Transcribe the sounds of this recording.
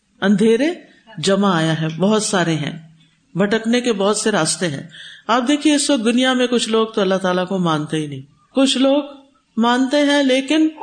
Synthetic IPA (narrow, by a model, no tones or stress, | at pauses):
ɐ̃nd̪ʱeːɾe | d͡ʒɐmaaːjaɦɛbɔɦʊt̪saːɾeɦɛ̰̃ː | bʱɐʈəknekebɔɦʊt̪seɾaːst̪eɦɛ̰̃ːaːp̚d̪eːkʰieɪsʋɐk̚d̪ʊnijamẽkʊt͡ʃʰloːɡ̚t̪oɐlːaɦt̪aːlakomãːnt̪eɦinɐɦĩː | kʊt͡ʃʰloːɡ | mãːnt̪eɦɛ̃leːkɪn